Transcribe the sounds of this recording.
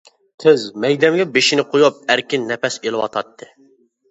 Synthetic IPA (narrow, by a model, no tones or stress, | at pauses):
t̪ʰɪzmɛjd̪ɛmɡʲɛbeʃinɪqʰojup̚æɾkʲɪnːɛpɛselˠɨwɑ̰t̪ʰɑt̪ʰːɨ